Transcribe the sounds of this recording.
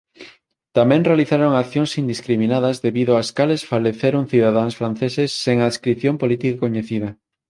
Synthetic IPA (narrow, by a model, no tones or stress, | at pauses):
t̪amɛ̃ŋrealiθaɾoŋakθjoŋsind̪iskɾimĩnaðɐzðeβiðʊaskalesfaleθeɾoŋθiðaðaŋsfɾan̟θesesːeŋaðeskɾiθjompolit̪ikakoɲeθið̞ɐ